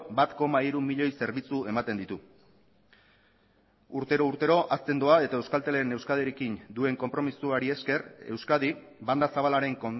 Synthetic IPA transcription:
bat̪ko̞maiɾumiʎo̞jse̞ɾβit͡sue̞mat̪e̞nd̪it̪u | uɾt̪e̞ɾo̞uɾt̪e̞ɾo̞ʔast͡s̪e̞nd̪oae̞t̪aewskalt̪e̞lene̞wskað̞eɾekind̪ue̞ŋko̞mpɾo̞misuaɾie̞ske̞ɾe̞̰wskað̞i | band̪asaβalaɾe̞ŋkon

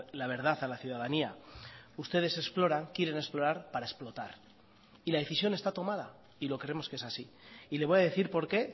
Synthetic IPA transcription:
laβe̞ɾð̞aθalaθjuðaðaniaust̪e̞ð̞e̞se̞splo̞ɾaŋkjeɾe̞nesplo̞ɾaɾpaɾae̞splo̞t̪aɾ | ilað̞e̞θisjo̞ne̞st̪at̪o̞mað̞a | ilo̞kɾeɾe̞mo̞skee̞sasi | ileβojað̞e̞θiɾpo̞ɾke̞

